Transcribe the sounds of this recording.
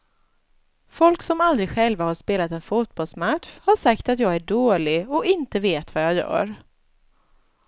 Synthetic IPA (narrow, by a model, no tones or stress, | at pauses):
fɔlksɔmald̪ɾɪɡɧɛlvahaʂpeːlat̪ɛnfuːt̪̚bɔlsmaʂhaʂakt̪at̪jɑːɡæɖoːlɪɔɪnt̪əveːt̪vajɑːjœ̰ːɾ